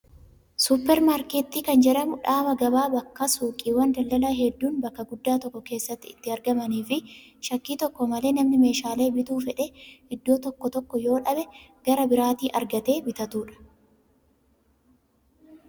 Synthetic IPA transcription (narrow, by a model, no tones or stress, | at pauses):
sʊpːɛɾmaːɾkeːt̪ːiːkɐnd͡ʒɛᶑɐmʊᶑaːbɐɡɐbaːbɐkːɐsuːkʼiːwɐnd̪ɐld̪ɐlɐɦɛd̪ːuːnbɐkːɐɡʊd̪ːaːt̪ɔkːɔke̞ːsːɐt̪ːɪɪt̪ːɪɐɾɡɐmɐniːfɪ | ʃɐkːiːt̪ɔkːɔmɐle̞ːnɐmnɪme̞ːʃaːle̞ːbɪt̪uːfɛᶑɛʔɪd̪ːo̞ːt̪ɔkːɔt̪ɔkːɔjo̞ːᶑɐbɛɡ̥ɐɾɐbɪɾaːt̪iːʔɐɾɡɐt̪e̞ːbɪt̪ɐt̪uːᶑɐ̥